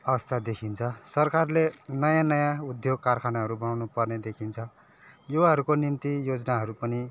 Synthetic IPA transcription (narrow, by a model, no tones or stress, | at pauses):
ʌbʌst̪ʰad̪ekʰint͡sʰʌsʌrkarlenʌjãnʌjãud̪joɡ̚karkʰanaɦʌɾubʌnawnupʌrned̪ekʰint͡sʰʌ | joaɦʌɾukonint̪ijod͡znaɦʌɾupʌni